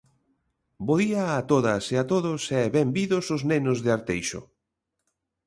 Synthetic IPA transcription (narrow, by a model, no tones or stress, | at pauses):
boðiaːt̪oðɐseat̪oðʊsɛβɛmbiðʊsʊznenʊzðeaɾt̪ejʃʊ̰